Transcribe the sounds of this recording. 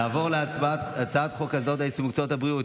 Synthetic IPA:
aːvo̞ʁleaaat͡sat̪χokazo̞taesimukt͡sothabʁiut

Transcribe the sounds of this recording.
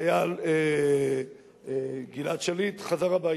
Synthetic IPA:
jale | ɡinat̪ʃelit̪χazaʁaba

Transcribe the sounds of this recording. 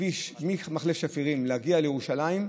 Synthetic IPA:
iʃmimaχlefʃafiʁimlehaɡialejeuʃalaim

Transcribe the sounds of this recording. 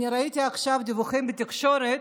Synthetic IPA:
niɾait̪ʲiaχʃavd̪ivuχɛmbət̪ʲikʃoɾet̪

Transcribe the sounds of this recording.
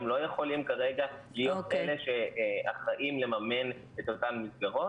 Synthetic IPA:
mlo̞jeχo̞limkaʁeɡalijo̞t̪ʔele̞ʃea̰χaʔimle̞mame̞n | et̪ot̪ammisɡaʁo̞

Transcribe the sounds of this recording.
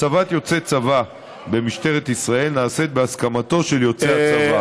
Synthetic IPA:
t͡savat̪jo̞t͡set͡sava | be̞miʃt̪e̞ʁet̪isʁae̞lnaːse̞t̪̚beaskamat̪o̞ʃe̞ljo̞t͡seat͡sava

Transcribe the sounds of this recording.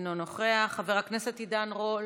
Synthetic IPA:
nonoχeaχaveʁakneset̪id̪anʁol

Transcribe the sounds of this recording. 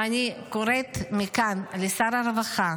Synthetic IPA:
anikoɾet̪mikanlesaɾaɾevaχa

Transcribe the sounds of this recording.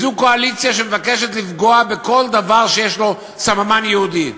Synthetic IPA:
zuko̞alit͡sijaʃemevakeʃ̬et̪lifɡo̞abe̞ko̞ld̪avaʁʃejeʃlo̞ | samamanjehud̪i

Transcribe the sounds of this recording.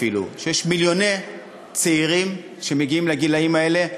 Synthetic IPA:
ilṵʃejeʃmiljo̞ne̞j | t͡seiʁim | ʃe̞meɡiimleɡilaimae̞le̞

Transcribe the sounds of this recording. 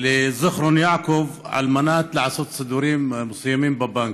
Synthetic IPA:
lɪzʊxɾʊnjaʕkʊvʕa̰lmanaːt̪lɪʕɑsˤut̪sˤɨd̪uːɾiːmmʊsˤɑjːamiːmbabaŋk

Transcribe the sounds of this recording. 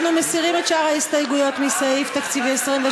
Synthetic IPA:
numesiʁimetʃaʁhaist̪ajɡujo̞t̪misaift̪akt͡siviesʁimve

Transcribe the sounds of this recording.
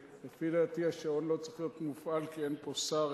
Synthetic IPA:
lefidat̪ihaʃao̞nlo̞t͡siχjot̪mufʔalkie̞npo̞saʁ

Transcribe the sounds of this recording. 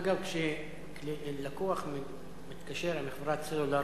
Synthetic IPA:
aɡavkʃe | klilakuaχm | mit̪kaʃeɾeniχvɾat̪selula

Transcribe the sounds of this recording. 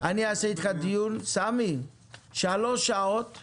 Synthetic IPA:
ʔaniasɛt̪χad̪ijunsami | ʃaloʃaot̪

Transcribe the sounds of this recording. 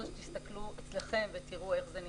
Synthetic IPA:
ʃt̪ist̪akluet͡sleχe̞mvet̪iʁue̞χzeni

